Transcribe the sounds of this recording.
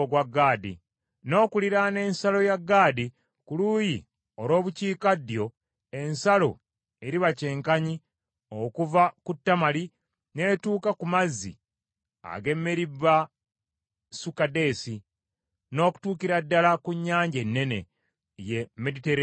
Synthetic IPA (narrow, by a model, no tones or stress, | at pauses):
oɡwaɡːaːdḭ | no̞ːkuliɾane̞ːnsalo̞jaɡːaːdi | kuluːji | o̞lo̞ːβuciːkadjo̞ | e̞nsalo̞̰ | e̞ɾiβace̞ːŋkaɲi | okuvakutːamali | ne̞ːtuːkakumazːḭ | a̰ɡe̞mːeɾiβa | sukade̞ːsi | no̞ːku̥tuːkiɾadːalakuɲːaːɲɟe̞nːe̞nḛ | jemediteɾ